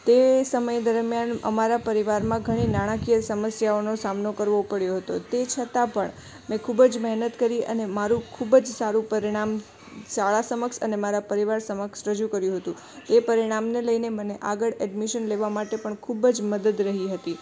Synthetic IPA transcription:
t̪esəməjd̪əɾmjanə̰maɾapəɾiʋaɾmãɡʱəɽ̃inaɽ̃ãkijəsəməsjaonosamnokəɾʋopəɽjoɦət̪ot̪et͡ʃʰət̪apəɳ | mɛ̃kʰubd͡ʒmɛɦnət̪kəɾiə̰nemaɾũkʰubəd͡ʒsaɾũpəɾiɽ̃am | saɭasəməksənemaɾapəɾiʋaɾsəməksɾəd͡ʒukəɾjũɦət̪ũ | t̪epəɾiɽ̃amneləjneməneʔaɡəɭɛɖmiʃənleʋamaʈepəɳkʰubd͡ʒməd̪əd̪ɾəɦiɦət̪i

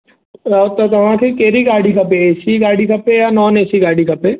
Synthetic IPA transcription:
ɔt̪ok̪ɐʋãːkʰekeːɾiɡaːɽikʰɐpeeːsiɡaːɽikʰɐpejanɔːneːsiɡaːɽikʰɐpeː

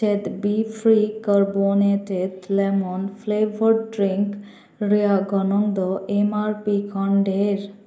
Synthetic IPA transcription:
t͡ʃed̪bifʰɾikəɾbonet̪et̪lemɔnpʰlebʱəɾɖɾiŋk | ɾiaɡɔnɔŋd̪ɔʔemaɾpikʰɔɳɖeɾ

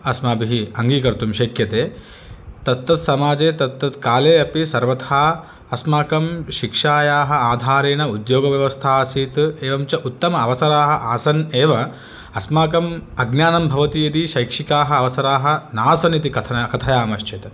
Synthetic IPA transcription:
ɐsmaːbiɦiɐŋɡiːkɐɾt̪umʃɐkjɐt̪eː | t̪ɐt̪ːɐt̪sɐmaːd͡ʒeːt̪ɐt̪ːɐt̪kaːleːɐpisɐɾʋɐt̪ʰaː | ɐsmaːkɐmʃikʂaːjaːɦɐ̆aːd̪ʱaːɾeːnɐud̪joːɡɐʋjɐʋɐst̪ʰaːsiːt̪eːʋɐmt͡ʃɐʔut̪ːɐmɐɐʋɐsɐɾaːɦɐʔaːsɐneːʋɐ | ɐsmaːkɐmɐɡnjaːnɐmbʱɐʋɐt̪ijɐd̪iʃɐjkʂikaːɦɐːʋɐsɐɾaːɦɐnaːsɐnit̪ikɐt̪ʰɐkɐt̪ʰɐjaːmɐʃt͡ʃʰɐt̪

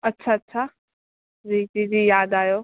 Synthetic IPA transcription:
ɐtːʃʰaɐtːʃʰa | d͡ʑiːd͡ʑid͡ʑiːjaːd̪aːjoː

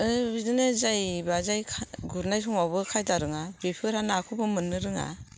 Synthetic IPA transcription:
ɯbidɯnezajbazajkʰɡuɾnajsʰɔmawbɯkʰajdaɾɯŋabipʰɯɾhanaːkʰubɯmɯnːɯɾɯŋa̰

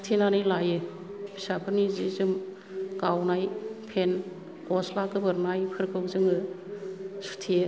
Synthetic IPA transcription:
tʰenanɯlajɯ | bʰi̥sapʰɯnizizɯm | ɡawnajpʰen | kɔslakɯbɯɾnajpʰɯɾkʰɯwzɯŋɯ | su̥tʰie

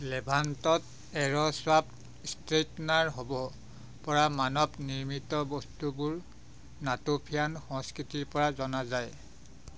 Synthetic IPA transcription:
lɛbʱantɔt | ɛɹɔswap | stɹetnaɹɦobɔ | pɔɹamanɔbniɹmitɔbɔstubuɹ | natopʰijanxɔŋskɹitiɹpɔɹazɔnazaj

